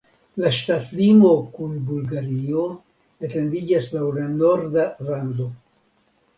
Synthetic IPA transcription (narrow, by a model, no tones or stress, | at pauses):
laʃtatlimo̞kunbulɡaɾio̞ | ete̞ndid͡ʒaslawlano̞ɾdalando̞